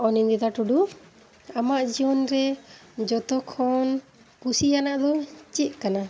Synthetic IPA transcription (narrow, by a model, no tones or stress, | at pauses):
ɔnind̪ɛd̪aʈuɖu | amaʔd͡ʒiɔnɾɛd͡ʒɔt̪ɔkʰɔn | kusijanaʔd̪ɔt͡ʃiʔ̪̚kana